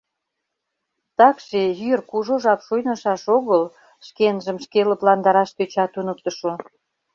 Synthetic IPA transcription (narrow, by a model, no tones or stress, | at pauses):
t̪ɑkʃejyrkuʒoʒɑpʃujnəʃɑʃoɣəl | ʃkenʒəmʃkelə̆plɑnd̪ɑɾɑʃt̪øt͡ɕɑt̪unək̚t̪əʃo